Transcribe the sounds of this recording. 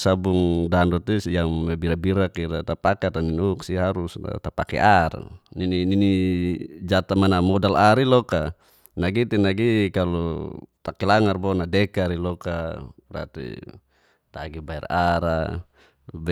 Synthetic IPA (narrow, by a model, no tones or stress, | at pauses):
sabuŋdandɔt̪isjaŋmɛbiɾabiɾakiɾat̪apakat̪aninuksiɦaɾusa̰t̪apakɛ̰ʔar̰nininini | d͡ʒat̪amanamɔdalaɾilɔka | naɡit̪inaɡikalɔ̰t̪akɛlaŋarbɔnadɛkaɾilɔkaɾa̰t̪ḭ | t̪aɡibaɛ̰raɾa | bɛ